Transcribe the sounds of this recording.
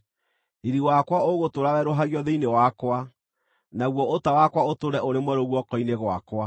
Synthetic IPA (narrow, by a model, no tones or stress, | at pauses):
eɾiwakwaoɣotoɾawɛɾoɦaɣjɔðeinewakwa | naɣwɔotawakwaotoɾɛʔoɾemwɛɾoɣwɔkɔineɣwa̰kwa